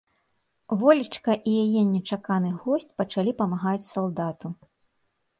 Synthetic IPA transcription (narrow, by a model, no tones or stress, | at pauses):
vɔlʲit͡ʂkɐʔijajɛnʲɛt͡ʂakanɨɣɔsʲt͡sʲpɐt͡ʂalʲipɐmaɣat͡sʲsalˠd̪at̪u